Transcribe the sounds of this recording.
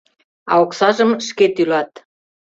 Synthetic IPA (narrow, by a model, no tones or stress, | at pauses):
ɑ̰oksɑʒəmʃket̪ylɑt̪